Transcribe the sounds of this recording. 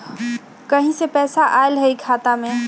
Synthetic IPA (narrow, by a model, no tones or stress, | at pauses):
kɐɦĩsepɛːsaʔaːelɦɛikʰaːt̪amẽ